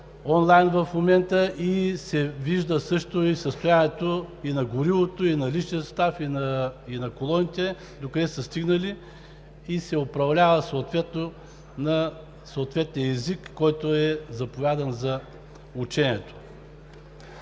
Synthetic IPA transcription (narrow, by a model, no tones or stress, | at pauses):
ɔnlˠajnvɐfmomɛnt̪əʔisɛviʒd̪əsɤʃt̪oisəst̪ʊjanɛt̪oinɐɡʊɾilˠot̪oinɐliʃniəst̪afinɐinɐkolˠɔnit̪ɛ | d̪okəd̪ɛsəst̪iɡnəliː | sɛopɾɐvlʲavəsoːt̪vɛt̪no | nɐ | soːt̪vɛt̪nijəɛzikːɔjt̪oɛzɐpovʲjad̪ɐnzɐ | ut͡ʃɛniɛt̪o̥